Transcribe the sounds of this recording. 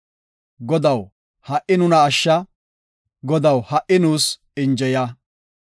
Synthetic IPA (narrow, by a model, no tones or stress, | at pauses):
ɡɔd̪ɐw | hɐʔɪnʊnɐːʃːɐ | ɡɔd̪ɐwhɐʔɪnuːs | ɪnd͡ʒɛja